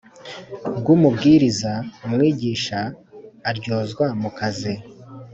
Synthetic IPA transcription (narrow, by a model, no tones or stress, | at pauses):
bɡumubɡiːɾizaumŋiːɟiːʃaː | ɾɟo̞ːzɡwamukaze